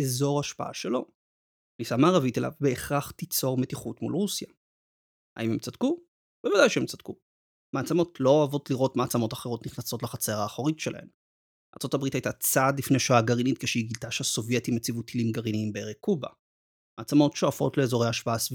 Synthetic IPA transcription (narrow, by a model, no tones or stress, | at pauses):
ezo̞ʁhaʃpaʔa̰ʃelo̞ | lisamaːʁavitelʔa̰vbeːχʁaχt̪it͡so̞ʁmetiχutmṵlʁusja | a̰imemt͡sad̪̥ku | bevadajʃeemt͡sad̥ku | maat͡samo̞tlo̞avo̞tliʁo̞tmaːt͡samo̞taχe̞ʁo̞t̪niχnaso̞tleχat͡seʁaːχo̞ʁitʃe̞la̰he̞̰m | a̰ʁt͡so̞tabʁitajtat͡sadlifneʃoaɡaʁinit̚keʃeiɡilt̪aʃehaso̞vje̞timet͡sivut̪ʰilimɡaʁiniimbeeʁekuba̰ | maːt͡samo̞tʃo̞afo̞̰tle̞ːzo̞ʁ̞ejhaʃpaʔasv